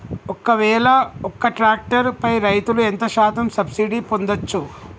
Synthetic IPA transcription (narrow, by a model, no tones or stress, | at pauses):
ɔkːɐʋɛːlɐɔkːɐʈɾaːk̚ʈɐɾpɐjɾɐjt̪uluent̪ɐʃaːt̪ɐmsɐbsiɖipond̪ɐt͡ʃːu